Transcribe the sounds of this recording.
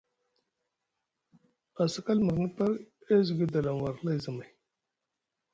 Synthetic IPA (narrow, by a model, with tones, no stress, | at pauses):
a˨sə˨ka˦lmə˨ɾnə˦pa˦ɾe˦zu˨ɡi˦d̪a˨la˨mwa˨ɾla˦jzə˨ma˨